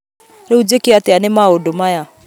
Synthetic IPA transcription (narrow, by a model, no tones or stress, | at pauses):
ɾeud͡ʒekeateanemaodomaja